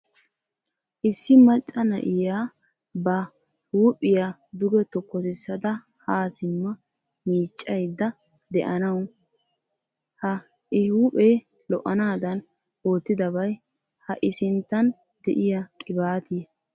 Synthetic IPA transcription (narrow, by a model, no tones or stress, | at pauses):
ʔɪsːɪmɐt͡ʃʼːɐnɐ̰ʔɪjaː | bɐ | huːpʼːɪja | d̪ʊɡɛt̪ɔkːɔt̪ɪsːɐd̪ɐ | haːsɪmːɐ | miːt͡ʃʼːɐjd̪ːɐ | d̪ɛʔɐnɐw | hɐ | ɪhuːpʼeː | lɔʔɐnaːd̪ɐn | oːt̪ːɪd̪ɐbɐj | hɐʔɪsɪnt̪ːɐn | d̪ɛ̰ʔɪjɐkʼɪbaːt̪ɪj